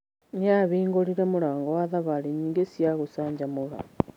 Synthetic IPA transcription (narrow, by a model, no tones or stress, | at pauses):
ɲaβiːŋɡoliɾemulaːŋɡowaðaβaliɲiːŋɡesijaɣusaːɲɟamuɣa̰